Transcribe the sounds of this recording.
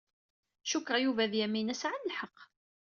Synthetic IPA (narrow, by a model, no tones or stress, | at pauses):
ʃukːʁˤɑjuvæðjæmːinæsʕanəlħəqː